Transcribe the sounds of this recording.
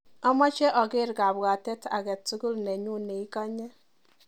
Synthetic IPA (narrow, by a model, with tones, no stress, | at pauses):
ɔ˦mɔ˦t͡ʃɛ˦ʔɔ˨ɡɪ˦ɾɡa˨bwa˨tɛ˦ta̰˨ɡɛ˨tu˦ɡu˦lnɛ˨ɲu˦ne˨i˦ka˦ɲɛ˦